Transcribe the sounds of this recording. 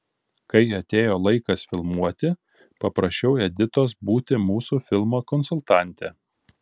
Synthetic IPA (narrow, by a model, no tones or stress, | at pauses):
kɐɪɐt̪ʲeːjoːlˠɐɪkɐsfʲɪlˠmuɔt̪ʲɪ | pɐpɾɐʃʲt͡ʃʲɛʊɛd̪ʲɪt̪oːs̬buːt̪ʲɪmuːsuːfʲɪlˠmoːkɔnsʊlˠt̪ɑˑnʲt̪ʲɛ